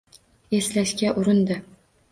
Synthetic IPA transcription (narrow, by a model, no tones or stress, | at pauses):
e̞slaʃkʲaʔʊɾɪnd̪ɪ